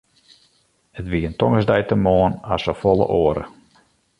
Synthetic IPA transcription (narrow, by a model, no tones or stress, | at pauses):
ətʋiəəntɔŋəsdɛjtəmoənasəfɔlˠə̰ʔoːəɾə̰